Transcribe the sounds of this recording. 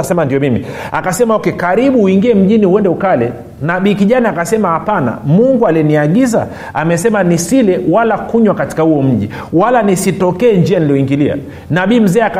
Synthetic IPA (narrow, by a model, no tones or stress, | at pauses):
sɛmandiɔmimḭ | akasɛmaɔkɛkaɾiɓuːiŋɡiɛm̩ʄiniuwɛndɛukalɛ | naɓiːkiʄanaːkasɛmahapana̰muŋɡualiɛniaɠiza̰ | amɛsɛmanisilɛwalakuɲwakati̥kahuɔm̩ʄi | walanisitɔkɛːnd͡ʒianiliɔiŋɡilia̰ | naɓiːm̩zɛːak